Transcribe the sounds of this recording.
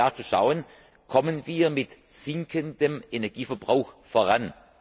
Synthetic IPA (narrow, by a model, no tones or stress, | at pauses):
aːt͡suʃa̰ʊən | kʰɔmənviːɐmɪtz̥ɪŋkʰəndəmʔenɛɐɡ̥iːfɐbʁaʊxfoʁan